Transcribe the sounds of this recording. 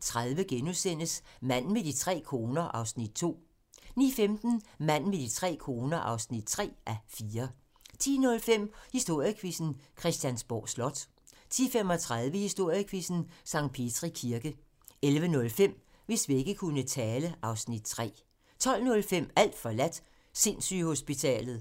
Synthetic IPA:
t͡sʰʁaðˠʋəɡ̥enusen̰əsmæn̰med̥it͡sʰʁɛ̰ːkʰo̝ːnɐʔɑ̈ʊsnid̥̚t͡sʰo̝̰ː | nḭːfemd̥n̩mæn̰med̥it͡sʰʁɛ̰ːkʰo̝ːnɐʔɑ̈ʊsnid̥̚t͡sʰʁɛ̰ːʔæfiːɐ | t͡sʰḭːnɔ̽lfem̰hisd̥o̝ɐ̰jəkʰʋisn̩kʰʁɛsd̥jænsb̥ɒ̰ːslɒ̽d̥ | t͡sʰḭːfem̰ɒ̽t͡sʰʁað̞ˠʋəhisd̥o̝ɐ̰jəkʰʋisn̩sɑ̈ŋ̰d̥̚pʰe̝d̥ʰʁikʰiɐɡ̥ə | elʋənɔ̽lfem̰ | ʋe̝sʋie̝ɡ̥əkʰunət͡sʰɛːləʔɑ̈ʊsnid̥̚t͡sʰʁɛ̰ː | t͡sʰɒ̽l̰nɔ̽lfem̰æl̰d̥fɒ̽læd̥ | se̝nsy̰ho̝sb̥it͡sʰɛ̰ːlð̩ˠ

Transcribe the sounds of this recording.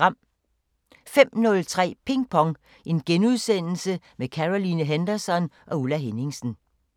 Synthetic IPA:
ɑm̰ | fem̰nɔ̽lt͡sʰʁɛ̰ːpʰe̝ŋpʰɒ̽ŋ | ʔe̝nɡ̥enuð̞ˠsen̰l̩səmekʰæʁo̝linəɦend̥ɐsɒ̽nʔɒ̽ulæɦe̝ne̝ŋsn̩

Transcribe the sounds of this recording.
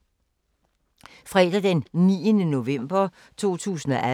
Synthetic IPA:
fʁɛd̥æd̥ennḭːənəno̝ʋem̰b̥ɐ | t͡sʰo̝̰ːt͡sʰṵːsn̩ɒʔæ

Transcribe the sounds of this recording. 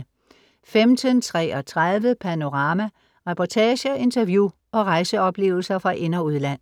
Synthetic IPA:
femd̥ʰənt͡sʰʁɛ̰ɒ̽t͡sʰʁaðˠʋəpʰæno̝ʁɑ̈ːmæ | ʁɛpʰɒt͡sʰɛːɕəɒe̝nt͡sʰɐʋjṵː | ɒ̽ʁɑ̈ɪsəɒ̽b̥le̝̰ːʊl̩sɐfʁɑ̈ʔe̝nɐuð̞ˠlæn̰

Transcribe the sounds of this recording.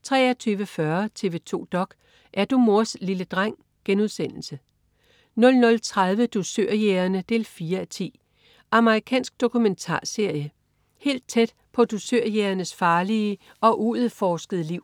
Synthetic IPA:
t͡sʰʁɛ̰ːɐt͡sʰyːʋəfɶɐt͡sʰe̝ːʋe̝ːt͡sʰo̝̰ːd̥ɒ̽ɡ̥ | ʔæɐd̥umo̝ɐsliləd̥ʁaŋ̰ | ɡ̥enuð̞ˠsen̰l̩sə | nɔ̽lnɔ̽lt͡sʰʁað̞ˠʋəd̥usøɐ̰jeɐnəd̥e̝ːlfiːɐæt͡sʰḭː | ʔɑ̈məʁikʰɛ̰ːnsɡ̥̚d̥o̝kʰument͡sʰɑ̰̈ːse̝ɐ̰jə | he̝̰ːld̥̚t͡sʰed̥ | pʰɒ̽d̥usøɐ̰jeːɐnəsfɑ̈ːliə | ɒ̽ʔuð̩ˠfɒːsɡ̥əð̩ˠəliʊ̰

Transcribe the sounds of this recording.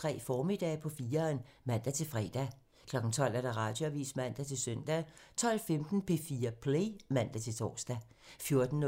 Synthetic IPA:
t͡sʰʁɛ̰ːfɒːmid̥ɛ̰ːpʰɒ̽fiːɐn | mæn̰d̥æt͡sʰe̝lfʁɛd̥æ | kʰlɒ̽ɡ̥n̩t͡sʰɒ̽l̰æɐɾ̥ɑ̈ʁɑ̈ːd̥joæʋḭːsmæn̰d̥æt͡sʰe̝lsœn̰d̥æt͡sʰɒ̽l̰femd̥n̩pʰe̝fiːɐpʰlemæn̰d̥æt͡sʰe̝lt͡sʰɒ̰ːsd̥æ | fjo̝ɐd̥n̩

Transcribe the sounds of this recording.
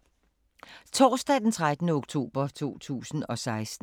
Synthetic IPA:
t͡sʰɒ̰ːsd̥ɛd̥ent͡sʰʁad̥ənəoɡ̥t͡sʰo̝̰ːb̥ɐt͡sʰo̝̰ːt͡sʰṵːsn̩ɒ̽sɑ̈ɪsd̥̩

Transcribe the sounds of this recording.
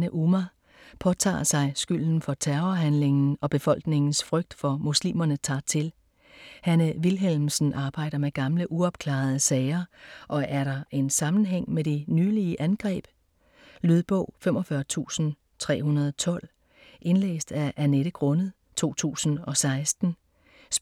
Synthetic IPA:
nəʔumæ | pʰɒ̽t͡sʰɑ̰̈ːsɑ̈ɪsɡ̥yl̰n̩fɒ̽t͡sʰæɐɐɦænle̝ŋn̩ɒ̽b̥e̝fɒ̽l̰ɡ̥ne̝ŋn̩sfʁœɡ̥̚d̥fɒ̽muslḭːmɐnət͡sʰɑ̈ːt͡sʰe̝l | hænəʋilɦelmsn̩ʔɑ̈ːb̥ɑ̈ɪ̰ɾ̥ɐmeɡ̥ɑ̈mləʔuɒ̽b̥̚kʰlɑ̈ð̞̩ˠəsɛɪɐʔɒ̽ʔæɐɾɑ̈e̝nsɑ̈mn̩ɦeŋ̰meɾ̥enyːliəʔænɡ̥ʁɛ̰ːb̥ | lyð̞ˠb̥ɔ̰̽ʊ̰fem̰ɒ̽fɶɐt͡sʰṵːsn̩ | t͡sʰʁɛ̰ːɦhunɐð̞ˠɒt͡sʰɒ̽l̰ | ʔe̝nlḛːsd̥æɐʔæneɾ̥əɡ̥ʁɔ̽nəð̩ˠ | t͡sʰo̝̰ːt͡sʰṵːsn̩ɒ̽sɑ̈ɪsd̥n̩ | s

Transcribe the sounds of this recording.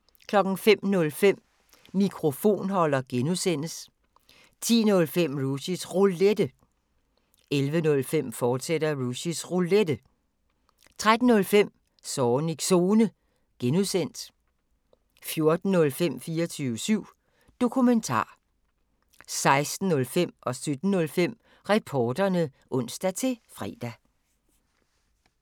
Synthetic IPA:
kʰlɒ̽ɡ̥n̩fem̰nɔ̽lfem̰ | mikʰʁo̝fo̝̰ːnhɒ̽l̰ɐɡ̥enusen̰əs | t͡sʰḭːnɔ̽lfem̰ʁusisʁuled̥ə | elʋənɔ̽lfem̰fɒːdsed̥ɐʁusisʁuled̥ə | t͡sʰʁad̥n̩ːɔ̽lfem̰ | sɒːniɡ̥so̝ːnə | ɡ̥enuðˠsen̰d̥ | fjo̝ɐd̥n̩ːɔ̽lfem̰fiːɒt͡sʰyːʊəsyʊ̰ | d̥o̝kʰument͡sʰɑ̰̈ː | sɑ̈ɪsd̥n̩ːɔ̽lfem̰ʔɒ̽sød̥n̩nːɔ̽lfem̰ | ʁɛpʰɒːd̥ɐnə | ʔɔ̽n̰sd̥æt͡sʰe̝fʁɛ̰ːd̥æ

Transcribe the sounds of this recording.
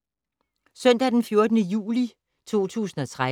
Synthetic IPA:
sœn̰d̥æd̥enfjo̝ɐd̥ənəjṵːli | t͡sʰo̝̰ːt͡sʰṵːsn̩ɒ̽t͡sʰʁa

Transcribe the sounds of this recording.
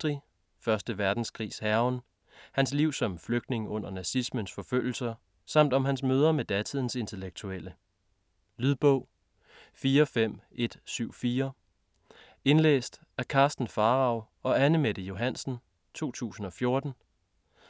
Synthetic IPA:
d̥ʁi | fɶɐsd̥əʋæɐd̥n̩skʰʁḭːshæɐʊn | hæns̬liʊ̰sɒ̽mfløɡ̥̚d̥ne̝ŋɔ̽n̰ɐnæsismənsfɒ̽føl̰l̩sɐ | sɑ̈m̰d̥ɒ̽mɦænsmøːð̞ˠɐmed̥æt͡sʰiðˠn̩se̝nt͡sʰe̝leɡ̥̚t͡sʰuelə | lyðˠb̥ɔ̽ʊ̰ | fiːɐfem̰ʔe̝d̥syʊ̰fiːɐ | e̝nlḛːsd̥ | æɐkʰɑ̈ːsd̥n̩fɑ̈ːʁɑ̈ʊ | ɒ̽ænəmed̥əjo̝ɦæn̰sn̩ | t͡sʰo̝̰ːt͡sʰṵːsn̩ɒ̽fjo̝ɐd̥n̩

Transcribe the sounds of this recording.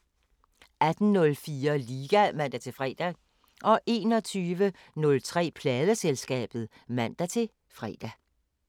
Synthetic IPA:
æd̥n̩nɔ̽lfiːɐliːɡ̥æmæn̰d̥æt͡sʰe̝lfʁɛ̰ːd̥æ | ʔɒ̽ʔe̝ːnɒ̽t͡sʰyːʋə | nɔ̽lt͡sʰʁɛ̰ːpʰlɛːðˠəselsɡ̥ɛ̰ːb̥ð̞̩ˠ | mæn̰d̥æt͡sʰe̝ | fʁɛ̰ːd̥æ

